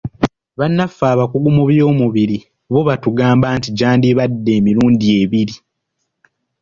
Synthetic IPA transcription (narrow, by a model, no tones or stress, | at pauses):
βanːafːaːβakuɡumuβjo̞ːmuβiɾi | βo̞βatuɡaːmbaːntiɟaːndiβadːe̞ːmiɾuːndie̞βiɾi